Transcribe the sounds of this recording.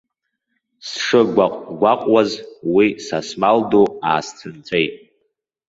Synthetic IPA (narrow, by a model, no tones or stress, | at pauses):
sʂɨɡʷaqʷʼɡʷaqʷʼwazwisasmaldoa̰ːst͡sʰɨnt͡sʷʼejtʼ